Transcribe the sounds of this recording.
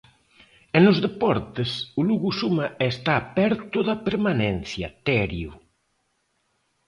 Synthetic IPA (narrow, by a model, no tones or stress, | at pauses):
enʊzðepɔɾt̪esʊluɣusumaest̪aːpɛɾt̪ʊðɐpeɾmanɛn̟θjɐt̪ɛɾju